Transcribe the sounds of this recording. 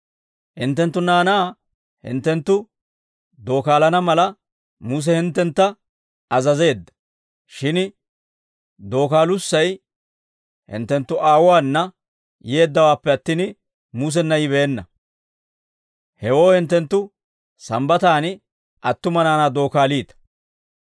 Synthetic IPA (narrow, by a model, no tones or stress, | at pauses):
hɪnt̪ːɛnt̪̬ːʊnaːnaː | hɪ̰nt̪ːɛnt̪ːʊ | d̪o̞ːkaːlɐnɐmɐlɐ | muːs̬ɛhɪnt̪ːɛnt̪ːɐ | ɐzɐze̞ːd̪ːɐ̥ | ʃɪn | d̪o̞ːkaːlʊsːɐj | hɪ̰nt̪ːɛnt̪ːʊʔaːwwaːnːɐ | jeːd̪ːɐwaːpːɛɐt̪ːiːn | muːs̬ɛnːɐjɪβɛːnːɐ̰ | hɛwo̞ːhɪnt̪̬ːɛnt̪ːʊ | sɐmbɐt̪aːn | ʔɐt̪ːʊmɐnaːnaːd̪o̞ːkaːliːt̪ɐ̥